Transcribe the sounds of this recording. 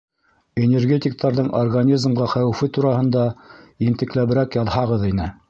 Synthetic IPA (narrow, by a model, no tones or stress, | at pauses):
enʲerɡʲet̪ʲɪk̚t̪ɑɾðɤɴʔorɡanʲizmʁɑχæwɘfɘt̪uɾɑhɤ̆nd̪ɑint̪ɘ̆klæβɘ̆ɾækjɑðhɑʁɤðinɘ